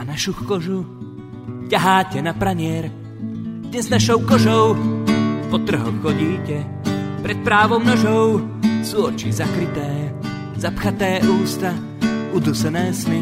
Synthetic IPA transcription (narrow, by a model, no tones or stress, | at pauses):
anaʃuxkɔʒu | caɦaːcɛnapɾaɲɪɛɾ | d̪ɲɛznaʃɔʊkɔʒɔʊ | pɔt̪r̩ɦɔxːɔɟiːcɛ | pɾɛt̪̚pɾaːʋɔʊmnɔʒɔʊ | suɔt͡ʃḭzakɾit̪ɛː | zapxat̪ɛːʔuːst̪a | ud̪usɛnɛːsmi